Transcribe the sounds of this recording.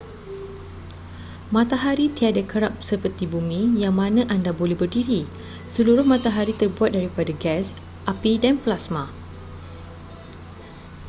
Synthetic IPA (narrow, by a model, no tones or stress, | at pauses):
mãt̪aɦaɾit̪iadakəɾap̚səpərt̪ibumĩjaŋmãnãʔandabolɛhbərdiɾi | səluɾʊhmãt̪aɦaɾit̪ərbuat̪̚daɾipadaɡɛs | ʔapidanplasmã